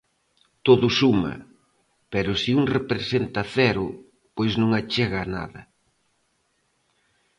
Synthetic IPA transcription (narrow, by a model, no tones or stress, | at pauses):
t̪oðʊsumɐ̰ | pɛɾʊsiuŋrepɾesent̪ɐθɛɾʊ | pojznõŋat͡ʃeɣaːna̰ðɐ̰